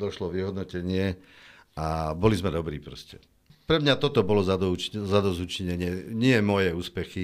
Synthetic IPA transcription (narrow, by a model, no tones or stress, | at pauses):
d̪ɔʃlɔʋiɦɔd̪nɔcɛɲɪɛ | abɔlizmɛd̪ɔbɾḭːpɾɔscɛ | pɾɛmɲat̪ɔt̪ɔbɔlɔzad̪t͡ʃzad̪ɔzuːt͡ʃiɲɛɲɪɛɲɪɛmɔjɛuːspɛxi